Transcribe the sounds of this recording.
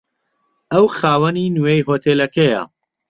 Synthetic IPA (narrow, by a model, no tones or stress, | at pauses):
ʔɐwxaːwɐninujejɦoːt̪ʰeːlɐkɐjɐ̰